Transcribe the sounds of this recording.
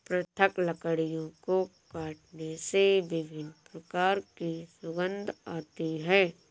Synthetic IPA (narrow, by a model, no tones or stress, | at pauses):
pɾət̪ʰəkləkəɽijõkokaːʈnesebɪbʱɪnpɾɐkaːɾkisʊɡə̃nd̪ʱaːt̪iɦɛː